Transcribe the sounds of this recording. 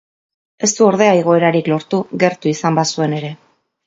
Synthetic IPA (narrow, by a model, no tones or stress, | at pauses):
e̞st̪uo̞ɾðe̞aiɣ̞o̞e̞ɾaɾiklo̞ɾt̪uɣe̞ɾt̪uisambasue̞ne̞ɾe̞